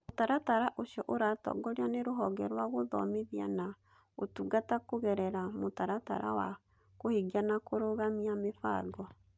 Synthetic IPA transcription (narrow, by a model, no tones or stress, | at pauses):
motaɾataɾaʔoɕiɔʔoɾatɔ̰ɡɔɾeaneɾoɦɔɡɛɾwaɣoðɔmeðia̰na | otuɡatakoɣɛɾɛɾamotaɾata̰ɾa̰wa̰ | kohiɡanakoɾoɣamiamefa̰ɡɔ